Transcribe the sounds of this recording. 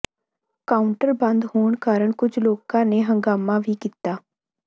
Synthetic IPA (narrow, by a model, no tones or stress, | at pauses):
kaːʊɳʈəɾbə̃nd̪hoːɳkaːɾəɳkʊd͡ʒloːkãːneːɦəŋɡaːmãːʋiːkiːt̪aː